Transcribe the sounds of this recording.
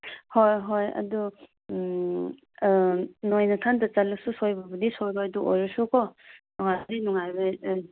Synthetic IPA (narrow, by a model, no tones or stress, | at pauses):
hojɦojɐ̰du | nojnatʰandɐt͡ʃalususojbɐbɐdisojbaaduʔojɾusukʰɔnɔŋadinuŋajbaj